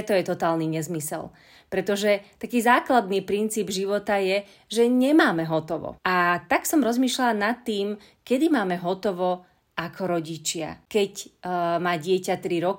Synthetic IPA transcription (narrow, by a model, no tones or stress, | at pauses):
t̪ɔjɛt̪ɔt̪aːlniɲɛzmisɛ̰l | pɾɛt̪ɔʒɛt̪akiːzaːklad̪niːpɾint͡siːbʒiʋɔt̪ajɛ | ʒɛɲɛmaːmɛɦɔt̪ɔʋɔ̰at̪aksɔmɾɔzmiːʃlalanat̪ːiːm | kɛd̪imaːmɛɦɔt̪ɔʋɔ | ʔakʰɔɾɔɟit͡ʃɪa̰kɛcmaːɟɪɛcat̪ɾiɾɔk